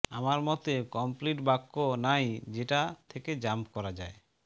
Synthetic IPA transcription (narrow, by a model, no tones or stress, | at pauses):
amaɾmɔt̪ekɔmpliʈbakːonajd͡ʑeʈat̪ʰeked͡ʑampkɔɾad͡ʑae